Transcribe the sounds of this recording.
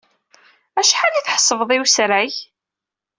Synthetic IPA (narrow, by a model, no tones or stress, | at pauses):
æʃħaliθħə̥sˤːəvəðˤiwsɾæʝ